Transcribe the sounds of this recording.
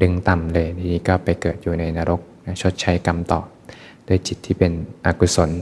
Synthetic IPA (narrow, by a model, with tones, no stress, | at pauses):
dɯ˧˥ŋt̪a˨mlɤː˧jt̪ʰiː˥i˦˩kɔː˥˩pa˧jkɤː˨˩t̪̚juː˨˩na˧jnaː˧ɾo˦˥k̚na˦˥t͡ɕʰo˦˥t̪̚t͡ɕʰa˦˥jka˧mt̪ɔ̰ː˨˩p̚ | du˥˩əjt͡ɕi˨˩t̪ʰːiː˥˩pe˧nʔa˧kʰu˧˩so˩˦n